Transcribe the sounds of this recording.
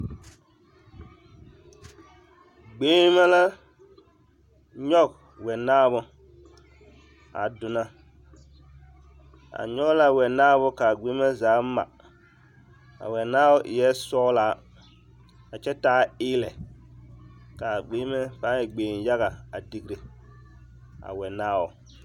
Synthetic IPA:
ɡ͡beː˦mɛ˦la˦ | ɲɔ˦˨k̚ | wɛ˨naː˦bʊ˦ | a̰˨dʊ˨na˦ | a̰˨ɲɔ˦kla˨wɛ˨naː˦βʊ˦ka˨ɡ͡be˦mɛ˦zaː˨˦ma̰˨ | a̰˨wɛ˨naː˦wʊ˦ʔɪ˨jɛ˦sɔː˦laː˨˦ | a˨t͡ʃɛ˦taː˦ɪː˦lɛ˨ | ka˨ɡ͡beː˦mɛ˦fa˦jɛ˨ɡ͡beː˨n˨ja˦ɣa˨a˨di˨ɡɾi˨ | a̰˨wɛ˨naː˦˨wʊ˨

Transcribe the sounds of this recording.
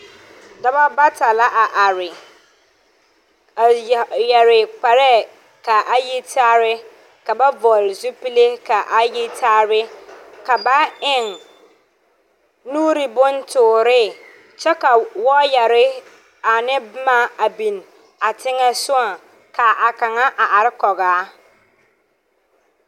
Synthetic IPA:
da˨ba˦ba˦ta˨la˦ʔa˨ʔa˨ɾɪ˨ | jɛ˨ɾɪ˨k͡pa˨ɾɛ˦ | ka˨ʔa˦ji˦tʰaː˦ɾɪ˦ | ka˨ba˦vɔ˨lɪ˨zʊ˦pi˦le˦ka˨ʔa˦ji˦tʰaː˦ɾɪ˦ka˨ba˦ɪ˨ŋ | nuː˦ɾɪ˨bʊ˦ntʊː˨ɾɪ˦ | t͡ʃɛ˦ka˨wɔ˦jɛ˨ɾɪ˦ | a˨nɪ˦bma˦a˨bi˨n | a˨tɪ˦ŋɛ˦sʊ˦a˨ | ka˨ʔa˨ka˨ŋa˦ʔa˨ʔa˨ɾɪ˦kɔ˨ɣaː˨˦

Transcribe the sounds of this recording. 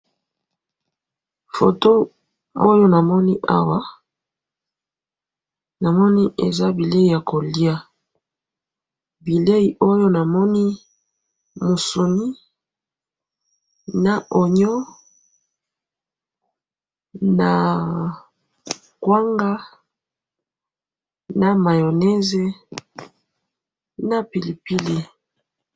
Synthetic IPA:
fo̰˨to˦ | o˦jo˦na˨mɔ˦ni˦ʔa̰˦wa˦ | na˨mɔ˦ni˦ʔḛ˨za˦bi˨le˦i˦˨ja˨ko˨li˦a˦ | bi˨le˦i˨ʔo˦jo˦na˨mɔ˦ni˦ | mo˨so˨ni˦ | na˨ʔo˨ɲɔ˦ | na˨ | kwa˦ŋɡa˦ | na˨ma˨jo˨nɛ˦ze˦ | na˨pi˨li˨pi˦li˨

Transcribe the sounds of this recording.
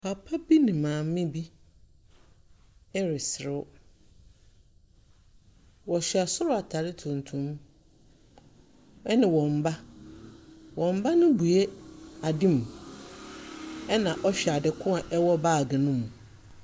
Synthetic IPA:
pʰa˨pʰa˦bi˦nɪ̃˨mãː˨m˦mɪ̃˦bi˦ | ɛ˦ɾɪ˨sɪ˨ɾʊ˦ | wɔ˨ɕᶣa˨sʊ˦ɾʊ˦a˨tʰa˨ɾɪ˦tʰũ˨n˨tʰũ˦m | ɛ˦nɪ̃˨wɔ̃˨m˨ba˦ | wɔ̃˨m˦ba˦nʊ̃˦bu˨e˦a˨dĩ˦m˨ | ɛ˦nã˨ʔɔ˦ɕᶣɛ˨a˨dɪ˨kʰʊ̃˦a˨ʔɛ˦wɔ˦baː˦˨ɡɪ˨nʊ̃˦mũ˨

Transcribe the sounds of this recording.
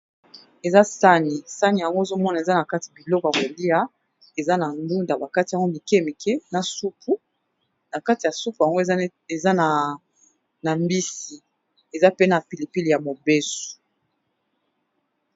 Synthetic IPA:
e˨za˦sa˦ni˨sa˦ni˨ja˨ŋɡo˦e˨zo˦mɔ˦na˨e˨za˦na˨ka˦ti˨a˨bi˨lɔ˦kɔ˨ja˨ko˨li˦a˦ | e˨za˦na˨ŋdu˦nda˨ba˨ka˦ti˨ja˨ŋɡo˦mi˨ke˦mi˨kʰe˦na˨su˦pʰu˨ | na˨ka˦ti˨ja˨su˦pu˨ja˨ŋɡo˦e˨ | e˨za˦n˨ | na˨mbi˦si˨ | e˨za˦pe˦na˨pi˨li˨pi˦li˨ja˨mo˨be˦su̥˨

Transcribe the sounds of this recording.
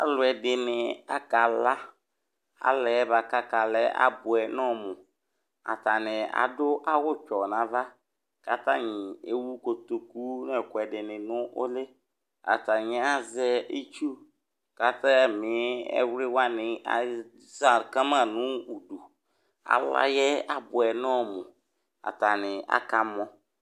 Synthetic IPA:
a˨lʊ˨ɛ˨dɪ˨nɪ˨a˦ka˨la˦ | a̰˨lɛ˨˦ba˨ka˦ka˨lɛ˨˦a̰˦bʊ˨ɛ˨nɔ˦˨mʊ˨ | a̰˨ta˨nɪ˨a̰˨dʊ˦ʔa˦wʊ˦t͡ʃɔ˨na˨va˦ | ka˨ta˦ɲɪ˨e˨˦wu˦ko˨to˨ku˦nɛ˨kʊ˨ɛ˨dɪ˨nɪ̃˨nʊ˦ʔʊ̰˦lɪ˦ | a̰˨ta˨ɲɪ˨˦a˦zɛ˦e˦t͡ʃu˦ | ka˦ta˦mɪ˨˦ɛ̰˦wɾɪ˦wa˦nɪ̃˨a̰˨ | za˦˨ka˦mã˦˨nʊ̃˦u˨du˨ | a̰˨la̰˦jɛ˦a˨bʊ˨ɛ˨nɔ˦mʊ̃˨ | a̰˨ta˨nɪ˨a̰˨ka˦mɔ˦

